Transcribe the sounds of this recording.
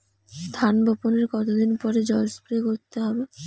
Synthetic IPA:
d̪ʱanbʱɔponeɾkɔt̪od̪inpɔɾed͡ʑɔjospɾiekoɾt̪eɦɔbe

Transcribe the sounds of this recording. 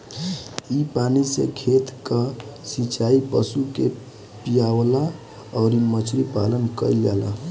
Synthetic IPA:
ipanisḛkʰet̪kəsit͡ʃaipəsuke | pijawla | ɔɾimət͡ʃʰɾipa̰lənkəiljalə̰

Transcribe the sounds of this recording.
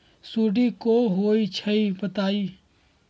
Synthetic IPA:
suːɖikoɦoːit͡ʃʰəibət̪aːiː

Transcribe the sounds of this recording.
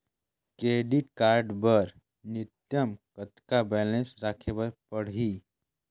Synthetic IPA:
kɾeɖiʈkaɾɖbəɾ | nit̪jəmkət̪kabɛlẽnsɾakʰebəɾpəɽ̤ɦi

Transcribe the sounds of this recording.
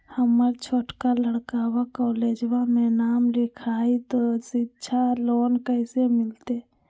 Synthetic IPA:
həməɾt͡ʃʰoːʈkaləɽkaːwakɔːleːd͡ʒwamẽnaːmlɪkʰaːit̪ositːt͡ʃʰaloːnkəɪsemɪlt̪e

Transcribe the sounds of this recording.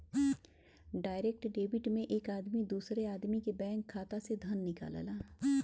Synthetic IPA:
ɖaːɪɾeːk̚ʈɖeːbɪʈmẽʔeːkaːd̪mid̪uːsɾeaːd̪mikebɛ̃ːŋkʰːaːt̪ased̪ʱənːɪka̰ːla̰laː

